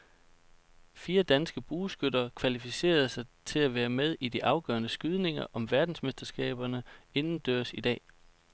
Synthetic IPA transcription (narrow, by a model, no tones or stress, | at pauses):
fiːɐd̥ænsɡ̥əb̥uːsɡ̥ød̥ɐkʰʋælifise̝̰ːɐð̩ˠsɑ̈ɪt͡sʰe̝læʋæːɐmeð̞ˠid̥iʔɑ̈ʊɡ̥ɶ̰ɐnəsɡ̥yð̞ˠne̝ŋɐʔɒ̽mʋæɐd̥n̩smesd̥ɐsɡ̥ɛ̰ːb̥ɐnəe̝nn̩d̥øɐsid̥ɛ̰ː